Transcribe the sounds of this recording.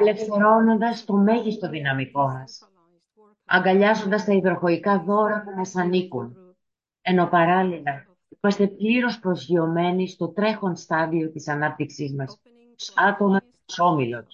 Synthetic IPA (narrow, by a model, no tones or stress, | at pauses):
ele̞fθe̞ɾo̞no̞nd̪ɐst̪o̞me̞ʝist̪o̞ðinɐmiko̞mɐs | ɐ̰ŋɡɐʎɐzo̞nd̪ɐst̪ɐipeɾoxo̞ikɐðo̞ɾɐnɐmɐsɐnikun | e̞no̞pɐɾɐlilɐ | imɐst̪e̞pliɾo̞spɾo̞zʝio̞me̞nist̪o̞t̪ɾe̞xo̞nst̪ɐðio̞t̪isɐnɐp̚t̪iksizmɐs | o̥sɐt̪o̞mɐ | so̞milo̞s